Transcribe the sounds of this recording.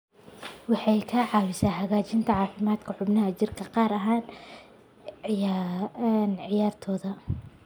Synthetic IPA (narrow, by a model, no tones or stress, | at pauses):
wɑħɑjkʰɐʕɑːwɪsaːɦɐɣaːt͡ʃʰɪnt̪ʰɐʕɑːfɪmaːd̪̥kʰɐħʊbnɐɦɐt͡ʃɪrkʰɐqɑːɾɐɦaːn | nʕɪjaːrt̪ʰɔːðɐ